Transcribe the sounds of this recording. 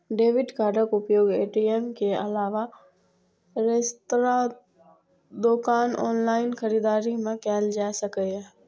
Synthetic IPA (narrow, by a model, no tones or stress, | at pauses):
ɖeːʋɪɖkaːɾɖəkʊpjoːɡeːʈiemkeɐlaːʋa | ɾest̪ɾa | d̪oːkaːnɔːnlaːɪnxəɾiːd̪aːɾimẽkɛːld͡ʒaːsəkəɛ